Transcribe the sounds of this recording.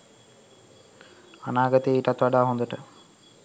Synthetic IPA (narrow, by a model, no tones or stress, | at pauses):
a̰naːɡət̪eːiʈat̪ʋaɖaːɦond̪əʈə